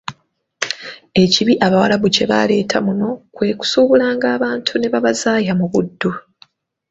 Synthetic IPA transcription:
e̞ciβiʔaβawalaβuce̞βa̰le̞ːtʰamuno̞kwe̞ːku̥suβulaːŋɡaːβaːntʰune̞βaβazaːjamuβudːu

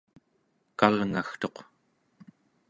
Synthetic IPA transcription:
kalŋaxt̪o̞q

